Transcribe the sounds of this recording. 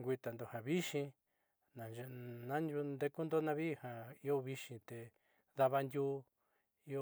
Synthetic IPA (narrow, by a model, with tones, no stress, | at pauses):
ŋɡʷi˧t̪a˨nd̪o˨hã˨βi˦ʃĩ˧ | nã˨nʒe˧nã˦nu˧nd̪e˧ku˦nd̪o˦nã˧βi˦˨ha˨i˦o˦βi˧ʃĩ˧t̪e˨ | ða˧βa˧ndʲu˦ | i˦o˦